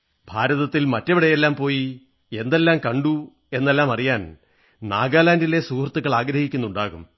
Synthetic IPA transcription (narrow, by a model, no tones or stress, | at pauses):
bʱaːɾɐðɐt̪ːilmɐtːɐʋiɽejelːaːmpo̞ːji | e̞nd̪e̞lːaːmkɐɳɖu | e̞nːelːaːmɐrijaːn | na̰ːɡaːlaːndile̞suːhrɐt̪ːuɣːɐɭaːɡɾɐhikʲːunːuɳɖaːɣum